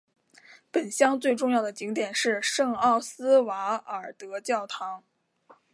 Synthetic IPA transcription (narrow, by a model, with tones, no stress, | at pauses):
pə˨˩nɕjɑ˥ŋt͡swe˥˧ɪʈ͡ʂʊ˥˧ŋjɑ˥˩ʊd̪ə˩t͡ɕi˧˥ŋt̪jɛ˨˩nʂɻ̩˥˧ʂɤ˥˧ŋɑ˥˩ʊsɹ̩˥wa˧˥ə˞˨˩t̪ɤ˧˥t͡ɕjɑ˥˩ʊt̪ʰɑ˧˥ŋ